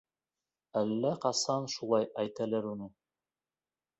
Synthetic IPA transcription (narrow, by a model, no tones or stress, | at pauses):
ælːæqɑsɑnʃulˠɑjæjt̪ælæɾunɤ